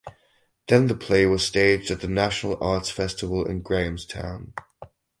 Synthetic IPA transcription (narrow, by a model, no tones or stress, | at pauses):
ðə̃nðəpʰl̥eɪwʌz̥steɪd͡ʒdət̪̚ðənaʃənəlˠɑˑtsfɛstəvəlˠɪ̰̃nɡɹẽɪ̃mz̥tʰã̰ʊ̃n